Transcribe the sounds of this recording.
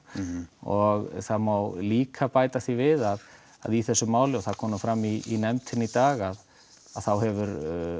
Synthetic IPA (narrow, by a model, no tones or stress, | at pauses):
ɔɣθaðmawliːkʰapaːjt̪aθivɪðað | aðiθɛsːʏmaːwlɪɔθaðkʰɔːmʏfɾamːiːnɛmt̪ʰɪnːit̪aːɣað | aðθawɦɛvʏɾ